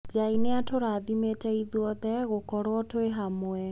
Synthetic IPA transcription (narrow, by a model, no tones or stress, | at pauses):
ɡeaineatoɾaːðimetɛiðwɔðɛɣokɔɾwɔtoeɦamwɛ